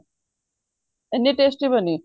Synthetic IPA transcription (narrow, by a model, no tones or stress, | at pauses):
enːiʈesʈibəni